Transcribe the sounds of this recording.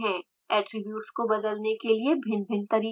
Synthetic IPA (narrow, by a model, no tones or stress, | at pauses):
ɦɛ̃ | ɛːʈɾɪbjuːʈskobɐd̪əlnekeliebʱɪnbʱɪnt̪ɐɾiː